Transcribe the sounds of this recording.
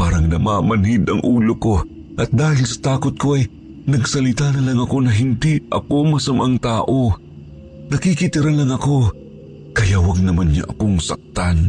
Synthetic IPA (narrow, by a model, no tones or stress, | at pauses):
paːɾɐŋnɐmaːmɐnhɪd̪ɐŋʔuːloko̞ | ʔɐt̪̚d̪aːhɪlsɐ̥t̪aːkot̪̚ko̞ʔɐj | nɐɡsɐlɪt̪anɐlɐŋɐko̞nɐɦɪnd̪iʔɐko̞mɐsɐmʔaŋt̪aːʔo̞ | nɐkikɪt̪ɪɾanlɐŋɐko̞ | kɐjawɐɡ̚nɐmanɲa̰ʔɐko̞ŋsɐk̚t̪an